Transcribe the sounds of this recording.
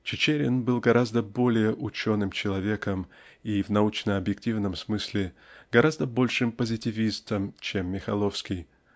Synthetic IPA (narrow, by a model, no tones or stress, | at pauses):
t͡ɕɪt͡ɕeɾʲɪnbɨlˠɡɐɾʔazd̪əbo̞lʲɪjəʔʊt͡ɕo̞nɨmt͡ɕɪlˠɐvʲe̞kəmivnɐut͡ɕnəɐbjɪk̚tʲivnəmsmɨsʲlʲɪɡ̥ɐɾazd̪əbo̞lʲʂɨmpəzʲɪtʲɪvʲist̪əmt͡ɕemːʲɪxɐlˠo̞fskʲɪj